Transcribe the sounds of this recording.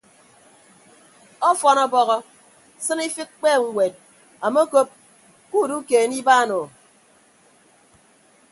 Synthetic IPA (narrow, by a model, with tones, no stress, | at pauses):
ɔ˦fɔ˨nɔ˨bɔ˦ɣɔ˦ | sɨ˦ni˦fi˦k̚k͡peː˦˨ŋ̩˨ŋʷwʷe˨t̚ | a˨mo˦ko˦p̚ | ku˦˨du˦keː˨˦ni˦baː˦˨nɔ˨